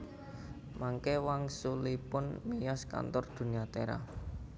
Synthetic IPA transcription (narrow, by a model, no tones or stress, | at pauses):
maŋkewaŋsulipʊnmijɔska̰nt̪ɔrd̪̥ṳniat̪eɾa̰